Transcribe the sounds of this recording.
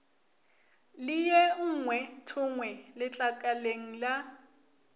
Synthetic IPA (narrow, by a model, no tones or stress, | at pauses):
lɪjɛŋ̩ŋwɛtʰʊŋwɛlɪt͡ɬʼakʼaleŋ̩la